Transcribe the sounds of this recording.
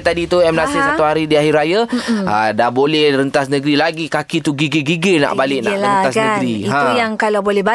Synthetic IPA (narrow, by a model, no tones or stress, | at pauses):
t̪adit̪uɛmlasɪsat̪uhaɾidiaɦirɾajaadabolɛhrənt̪asnəɡɾilaɡikakit̪uɡiɡiɡiɡəna̰ʔbalɪʔna̰ləaaskəɡɾiiɦãjaŋkalawbolɛhba